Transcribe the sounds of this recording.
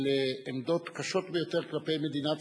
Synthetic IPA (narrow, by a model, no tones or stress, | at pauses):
leːmd̪o̞t̪kaʃo̞t̪bejo̞t̪e̞ʁklape̞jmed̪inat̪